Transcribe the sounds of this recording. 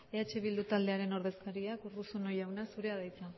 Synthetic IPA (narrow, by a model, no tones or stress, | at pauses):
eat͡ʃe̞βild̪ut̪ald̪e̞aɾe̞no̞ɾð̞e̞skaɾiakurusono̞jawnasuɾe̞að̞ajt͡sa